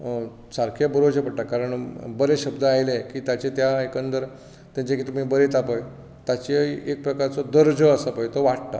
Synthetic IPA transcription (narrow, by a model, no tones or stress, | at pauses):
saɾkʰebəɾod͡ʑepəɽʈakaɾəɳbəɾeɕəbd̪əajlekiːt̪jat͡ɕet̪jaekəntd̪əɾ | t̪jãɲt͡ɕekit̪um̤ibəɾet̪apəj | t̪at͡ɕeek̚pɾəkaɾt͡sɔd̪əɾd͡zəːsəpəjt̪oʋaʈ̚t̪a̰